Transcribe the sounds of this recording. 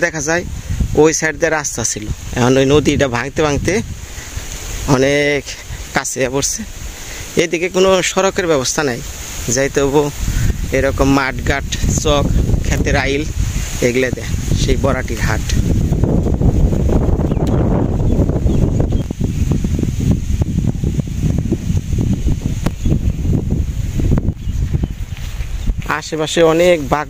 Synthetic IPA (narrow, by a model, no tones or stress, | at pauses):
d̪ɛkʰazajojsajʈd̪eɾast̪aasʰiloɛ̰kʰɔnojnod̪iʈabʱaŋt̪ebʱaŋt̪e | ɔnekːaseapoɾse | ed̪ikekonoʃɔɾɔkeɾbɛβɔst̪ʰanaj | zajt̪boeɾɔkɔmːaʈɡaʈsɔkʰːɛt̪eɾajleɡled̪ɛʃejbɔɾaʈiɾɦaʈ | aʃebaʃeɔnekbaɡ